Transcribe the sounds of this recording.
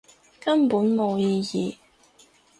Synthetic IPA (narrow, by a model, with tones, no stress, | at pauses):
kɐ˥npuː˨˥nmo˨˧wjiː˧jiː˨